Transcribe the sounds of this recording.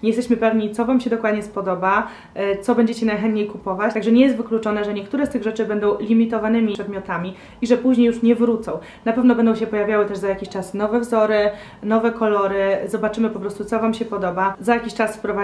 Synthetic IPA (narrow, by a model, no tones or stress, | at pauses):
ɲejɛst̪ɛɕmɘpɛvɲit̪sɔvamɕɛd̪ɔkwad̪ɲɛspɔd̪ɔba | t̪sɔbɛɲd͡ʑet͡ɕɛnajxɛnt̪̚ɲejkupɔvat͡ɕt̪aɡʐɛɲɛjɛst̪vɘklut͡ʂɔnɛʐɛɲɛkt̪uɾɛst̪ɘɣʐɛt͡ʂɘbɛnd̪ɔ̃w̃lʲimʲit̪ɔvanɘmʲiʂɛd̪mʲjɔt̪amʲi | iʐɛpuʑɲejuʂɲɛvɾut̪sɔ̃w̃ | napɛvnɔbɛnd̪ɔ̃w̃ɕ̬ɛpɔjavʲjawɘt̪ɛʐzajakʲiɕt͡ʂasnɔvɛvzɔɾɘ | nɔvɛkɔlɔɾɘzɔbat͡ʂɘmɘpɔpɾɔst̪ut̪sɔvamɕɛpɔd̪ɔbazajakʲiɕt͡ʂasfpɾɔva